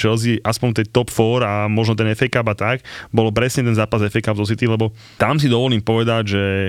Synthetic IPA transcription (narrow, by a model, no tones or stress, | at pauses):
ʒɛlziʔaspɔɲt̪ɛnt̪ɔpfɔɾamɔʒnɔt̪ɛnɛfɛkabat̪akbɔlpɾɛsɲɛt̪ɛnzaːpazɛfɛkabzɔs̬it̪ilɛbɔ | t̪ams̬id̪ɔʋɔliːmpɔʋɛd̪aɟʒɛ